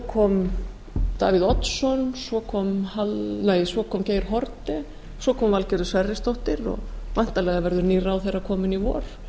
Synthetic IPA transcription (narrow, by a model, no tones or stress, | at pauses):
kʰɔm | t̪a̰ːviðɔt̪sɔnsɔkʰɔmhalneːjsɔkʰɔːmceːjɾ̥ɦɔɾt̪ɪ | sɔkʰɔːmvalcɛɾðʏsvɛrːɪst̪owht̪ɪɾɔ̰ɣvan̥t̪alɛːɣavɛɾðʏɾniːɾawθejrːakʰɔːmɪnivɔ̰ːɾ̥